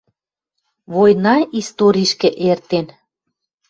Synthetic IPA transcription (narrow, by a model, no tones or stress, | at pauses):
βojnɑist̪oɾʲiʃkĕʔert̪en